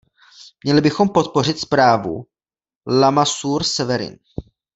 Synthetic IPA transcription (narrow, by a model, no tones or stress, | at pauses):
mɲɛlɪbɪxo̞mpo̞t̪̚po̞rɪt̪spɾaːvṵ | lamasuːɾsɛvɛɾɪ̰n